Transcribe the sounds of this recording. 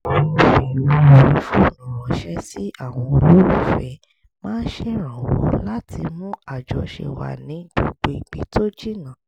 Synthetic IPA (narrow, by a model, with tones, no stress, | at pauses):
ɔ˨ɔ̃˧fi˨lõ˨˦˨ɾi˨˦fu˦˨nɔ̃˨ɾɔ˨˦ʃɛ˦si˦a˦˨w̃ɔ̃˧o˧lo˦ɾu˦˨fɛ˨˦ | mãː˦n̩˦ʃe˦ɾ̃ã˨wɔ̰˨˦la˦tʰi˧mũ˦a˦˨d͡ʒɔ˨ʃḛ˨wa̰˨nĩ˨˦ɡ͡b̥o˨ɡ͡be˧˨ɡ͡bi˨˦to˦d͡ʒi˦nã˦˨